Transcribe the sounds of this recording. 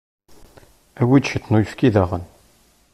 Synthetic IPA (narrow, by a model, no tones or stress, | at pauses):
æwid̪ʃət̪ːnujəfkiðæʁən